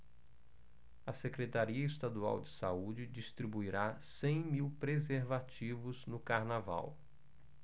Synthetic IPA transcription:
ɐsekɾet̪aɾiɐɪst̪ad̪ua̰wd͡ʒɪsa̰ud͡ʒɪd͡ʒist̪ɾibuiɾasẽj̃miwpɾezeɾvat͡ʃivʊznʊkaɾnava̰w

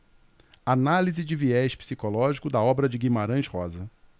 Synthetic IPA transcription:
analizɪd͡ʒɪviɛʃpi̥sikolɔʒikʊd̪ɐɔbɾɐd͡ʒɪɡimaɾɐ̃ʃhɔzɐ

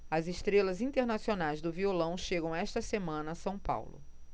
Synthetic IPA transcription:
ɐzeʃt̪ɾelɐzĩt̪eɾnasionajzd̪ʊviolɐ̃w̃ʃeɡɐ̃w̃aɛʃt̪ɐsemɐ̃nɐːsɐ̃w̃pa̰wlʊ̰

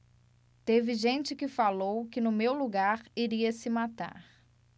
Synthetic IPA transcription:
t̪evɪʒẽnt͡ʃɪkɪfalowkɪnʊmewluɡaɾiɾiɐsɪmat̪a̰ɾ

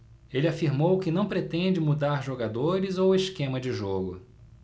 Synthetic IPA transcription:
elɪafiɾmowkɪnɐ̃w̃pɾet̪ẽd͡ʒɪmud̪aɾʒoɡad̪oɾɪzoweskẽmɐd͡ʒɪʒoɡʊ

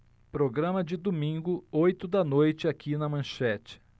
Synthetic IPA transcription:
pɾoɡɾɐ̃mɐd͡ʒɪd̪omĩŋɡʊojt̪ʊd̪ɐnojt͡ʃɪakinɐmɐ̃ʃɛt͡ʃɪ̥

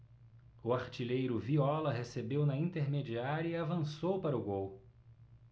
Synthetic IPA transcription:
ʊaɾt͡ʃilejɾʊviɔlɐɦesebewnɐĩt̪eɾmed͡ʒiaɾɐiavɐ̃sowpaɾʊɡow

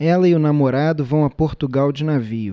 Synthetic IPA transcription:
ɛlɐɪʊnamoɾad̪ʊvɐ̃w̃ɐpoɾt̪uɡawd͡ʒɪnavijʊ

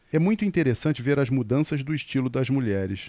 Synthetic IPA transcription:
ɛmũj̃t̪ʊĩt̪eɾesɐ̃nt͡ʃɪveɾɐzmud̪ɐ̃sɐzd̪ʊiʃt͡ʃilʊd̪ɐzmuʎɛɾɪs

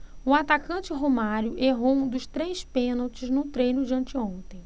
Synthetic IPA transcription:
ʊat̪akɐ̃t͡ʃɪɦomaɾjʊʔeɦowũd̪ʊʃt̪ɾejspẽnawt͡ʃɪznʊt̪ɾejnʊd͡ʒiɐ̃nt͡ʃɪõnt̪ẽj̃

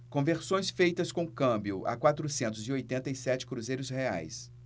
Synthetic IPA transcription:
kõveɾsõj̃sfejt̪ɐskõkɐ̃mbiʊʔa̰kwat̪ɾʊsẽnt̪ʊziojt̪ẽnt̪ɐisɛt͡ʃɪ̥kɾuzejɾʊshea̰js

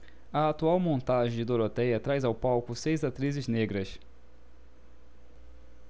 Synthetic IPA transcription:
ɐat̪uawmõnt̪aʒẽj̃d͡ʒɪd̪oɾot̪ɛjɐt̪ɾajzawpawkʊsejzat̪ɾizɪzneɡɾɐs

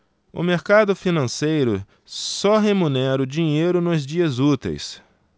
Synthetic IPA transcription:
ʊ̰meɾkad̪ʊfinɐ̃sejɾʊ | sɔɦemũnɛɾʊd͡ʒiɲejɾʊnʊzd͡ʒiɐzut̪ḛjs

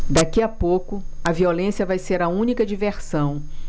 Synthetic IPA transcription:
d̪akiɐpokʊɐviolẽsjɐvajseɾɐũnikɐd͡ʒiveɾsɐ̃w̃

